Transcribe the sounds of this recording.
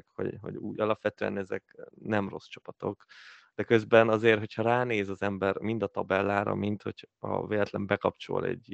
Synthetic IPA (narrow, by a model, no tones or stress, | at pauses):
kho̞̰ɟɦo̞̰ɟuːjɒlɒpʋɛt̪øːɛ̰nɛzɛknɛmro̞st͡ʃɒ̥pɒt̪o̞kd̪̥ɛkø̞zbɛnɒzeːrɦo̞chɒɾaːneːzɒzɛmbɛrmind̪ɒt̪ɒbɛlːaːɾɒ̰mint̪ho̞cɒveːlɛt̪lɛmbɛkɒpt͡ʃo̞̰lɛ̰ɟ